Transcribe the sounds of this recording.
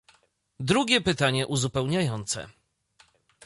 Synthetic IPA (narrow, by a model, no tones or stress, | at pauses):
d̪ɾuɡʲɛpɘt̪aɲɛʔuzupɛwɲajɔnt̪sɛ̰